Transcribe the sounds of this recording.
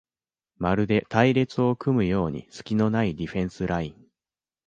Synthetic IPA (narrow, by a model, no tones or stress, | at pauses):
maɾɯ̟d̪e̞t̪aiɾe̞t͡sɨo̞kɯ̟mɯ̟jo̞ːɲ̟ḭsɨ̥kʲino̞naid̪ʲiɸẽ̞ɰ̃sɨɾʔaĩŋ